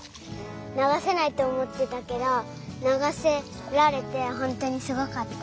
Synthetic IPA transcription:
naɡase̞nait̪o̞ːmo̞t̪ːet̪ake̞d̪o | naɡase̞ | ɾaɾe̞t̪e̞ɦõ̞nt̪o̞ɲ̟isɨɡokat̪ːa

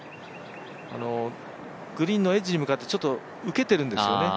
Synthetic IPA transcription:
a̰no̞ | ɡ̥ɯ̟ɾʲĩnːo̞e̞d͡ʑiɾimɯ̟kat̪ːe̞t͡ɕo̞t̪ːo̞ | ɯ̟ke̞t̪e̞ɾɯ̟̃nd̪e̞sɨjo̞ne̞

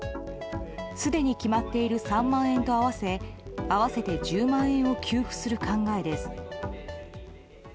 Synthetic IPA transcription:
sɨd̪e̞ɲ̟ikʲimat̪ːe̞iɾɯ̟sãmːãɰ̃ẽ̞nt̪o̞aβase̞aβ̞ase̞t̪e̞d͡ʑɨːmãɰ̃ẽ̞ɰ̃o̞kʲʰɨːɸɯ̟̥sɨɾɯ̟kãŋɡae̞d̪e̞sɨ̥

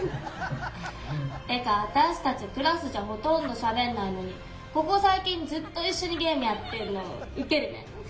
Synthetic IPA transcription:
ekat̪aɕi̥t̪at͡ɕikɯ̟ɾasɨʑaɦo̞t̪õ̞nd̪o̞ɕabe̞nːaino̞ɲ̟i | ko̞ko̞saikʲĩɲ̟d͡zɨt̪ːo̞iɕːo̞ɲ̟iɡe̞ːmɯ̟jat̪ːe̞ɾɯ̟noo̰ike̞ɾɯ̟nḛ

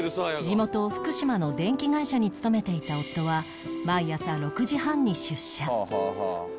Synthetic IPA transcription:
d͡ʑimo̞t̪o̞ɸɯ̟̥kɯ̟ɕimano̞d̪ẽ̞ŋkʲiɡaiɕaɲ̟it͡sɨ̥t̪o̞me̞t̪e̞it̪ao̞t̪ːo̞βa | maijasaɾo̞kɯ̟ʑihãɲ̟ːiɕɨɕːa

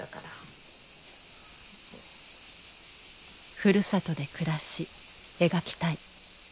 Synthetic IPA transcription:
kaɾa | ɸɯ̟ɾɯ̟sat̪o̞d̪e̞kɯ̟ɾaɕi | e̞ɡakʲi̥t̪ai

